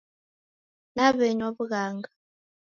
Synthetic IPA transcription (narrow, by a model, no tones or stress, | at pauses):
naβɛɲoβuɣaːŋɡa